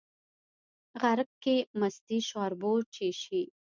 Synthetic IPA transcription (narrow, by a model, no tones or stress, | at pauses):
ɣaɾəkkːemast̪iʃwɑɾbot͡ʃeʃi